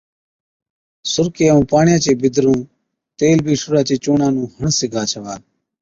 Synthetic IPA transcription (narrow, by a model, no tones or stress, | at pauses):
sʊɾkeːũːpaːɳɪjãːt͡ʃeːbɪd̪ɾũː | t̪eːlbʱiːsʊɾaːt͡ʃeːt͡ʃoːɳãːnũːhəɳsɪɡʱaːt͡ʃʰəʋaː